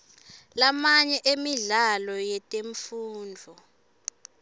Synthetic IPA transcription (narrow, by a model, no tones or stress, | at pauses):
lamaɲɛʔemiɮalɔjɛtʼeɱfuːnd͡ɮʱɔ